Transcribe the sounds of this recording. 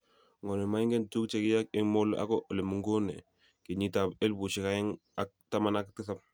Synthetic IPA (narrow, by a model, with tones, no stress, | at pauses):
ŋo˨ne˨ma˦ŋɡe˦ntu˦kt͡ʃe˨ki˦ja˦kɪ˦ŋmo˦lʔa̰˦ko˦ʔo˨le˨mu˨ŋɡo˦nḛ˨ | ki˨ɲi˨ta˨be˦lbu˨ʃi˨ka˦i˦ŋ | a˦k̚ta˦ma˦na˦ktɪ˦sa˦p̚